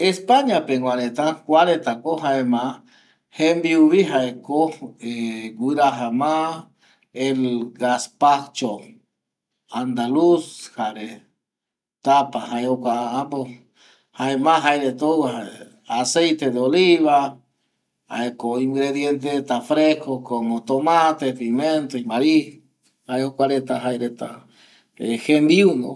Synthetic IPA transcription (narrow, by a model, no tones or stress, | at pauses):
espaɲãpeŋɡʷaɾet̪akʷaɾet̪akoɦaemã | hẽmbiuβiɦaekoeɡʷɨɾaɦamã | elɡaspakt͡ʃo | and̪alushaɾe | t̪apahaeokʷaaãpo | haemaɦajɾet̪owaɦae | asejt̪ed̪eoliβa | ha̰ekoiŋɡɾeðjent̪̬et̪afɾehkokomot̪omat̪et̪iment̪oimaɾi | haeokʷaɾet̪aɦajɾet̪a̰ | ehend̪iuno̰